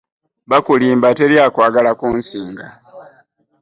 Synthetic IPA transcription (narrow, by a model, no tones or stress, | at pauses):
βakuliːmbate̞ɾjaːkwaːɡalakuːnsiːŋɡa